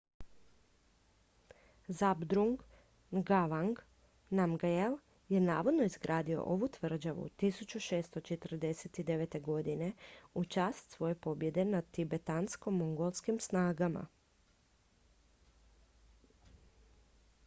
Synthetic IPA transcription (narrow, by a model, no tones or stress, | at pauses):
zabd̪ɾuŋɡ | ɡaʋaŋɡ | namɡajel | jenaːʋo̞d̪no̞izɡɾʔaːd̪io̞̰ʔoʋut̪ʋr̩d͡ʒaʋṵt̪isut͡ʃuʃe̞ːst̪o̞t͡ʃe̞t̪r̩d̪e̞set̪id̪e̞ʋe̞t̪e̞ɡo̞d̪ine̞ut͡ʃaːst̪sʋo̞je̞po̞bje̞d̪e̞nat̪ibe̞t̪ansko̞moŋɡolˠskimsnaːɡama̰